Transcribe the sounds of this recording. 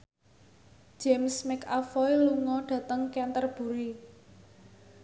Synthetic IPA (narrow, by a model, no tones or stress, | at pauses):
d͡ʒ̥ɛmsmɪkafɔjluŋɔɖ̥ä̤t̪əŋkɛnt̪ərb̥ṳɾi